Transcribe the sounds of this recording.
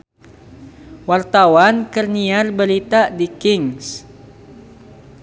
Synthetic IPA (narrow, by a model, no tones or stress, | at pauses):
wart̪awankərniarbəɾit̪adikɪŋs